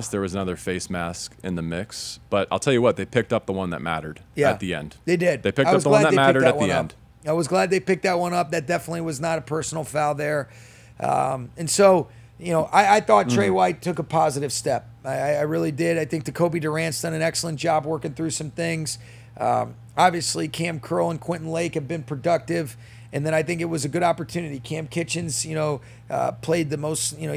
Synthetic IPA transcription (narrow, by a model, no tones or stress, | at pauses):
sðə˞wʌzənʌðə˞feɪsmæskɨ̰̃nðɨmɪksb̥ʌɾaɪlˠtʰɛlˠjɨwʌt̪̚ðeɪpʰɪk̚tʌp̚ðəwʌ̃nðə̰t̚mæ̰ɾə˞ɾjæɨ̰ðiɛ̰̃nd̥ðeɪdɪd̥̚ðeɪpʰɪk̚aɪwʌzðəlædnɨt̚ðɪmæɪɾə˞ɾɨt̚wðiɛ̰̃ʌ̃n̥ | aɪwʌzɡlæd̪̚ðeɪpɪk̚t̪̚ðɨt̚wʌ̃nʌp̚ðɨt̚d̥ɛfənətˡliwʌznəɾəpʰɜ˞sn̩l̩ˠfaʊðə˞ | ʔʌ̰̃mɨ̃nsoʊ | jɨnoʊʔaɪaɪθɔtʰɹ̥eɪwaɪtʰʊkəpʰɑzɨɾɨv̥stɛp̚aɪaɪaɪɹɪlˠidɪɾaɪθɪ̃ŋk̚ðɨkʰoʊbidə˞æ̃nstɨ̃nɨ̃nɛksl̩ˠə̃nd̥ʒ̥ɑbwɜ˞kɪ̃ŋθɹʉsʌ̃mθɪ̃ŋz̥ | ʔʌ̰̃ | ɑbviɨslikʰæ̃mkʰɜ˞lˠə̃nkʰw̥ɪ̃nʔn̩leɪkhɨd̚bɨ̃npʰɹ̥ɨdʌk̚tɪv | ɨ̃nðɨ̃ɾ̃aɪθɪ̃ŋkɨt̚wʌzɨɡʊɾɑpə˞tʰʉnɨɾikʰæ̃mkʰɪt͡ʃɨ̃nz̥jɨnoʊ | ʔʌ̰pʰl̥eɪd̪̚ðɨmoʊsjɨnoʊ